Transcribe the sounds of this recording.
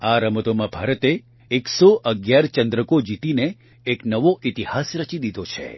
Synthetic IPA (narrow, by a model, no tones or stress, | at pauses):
aɾəməd̪omãbʱaɾət̪eː | ksoʔəɡjaɾt͡ʃə̃nd̪ɾəkod͡ʒit̪ineː | knəʋoʔit̪ihasɾət͡ʃid̪id̪ʱot͡ʃʰḛ